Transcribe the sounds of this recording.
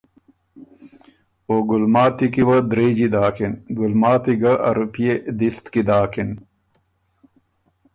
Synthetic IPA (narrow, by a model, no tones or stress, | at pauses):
oɡulmaːt̪ikiwɐd̪ɾeːd͡ʑid̪aːkinɡulmaːt̪iɡɐʔɐ̰ɾupijed̪ist̪kid̪aːkin